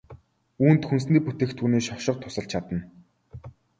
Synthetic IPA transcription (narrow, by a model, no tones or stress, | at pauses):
uːnt̪xuns̬niːput̪ĕːxt̪ʰːuːneːʃɔʃɪ̆q̚t̪ʰːʊ̥sə̆ɬt͡ɕʰat̪ə̆n